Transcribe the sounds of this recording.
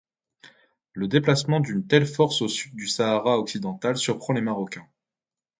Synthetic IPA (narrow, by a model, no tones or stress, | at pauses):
ləd̪eplasmɑ̃d̪ynt̪ɛlfɔʁsosyd̪̚ːysaːʁaɔksid̪ɑ̃t̪alsyʁpχɑ̃lemaʁɔkʲɛ̃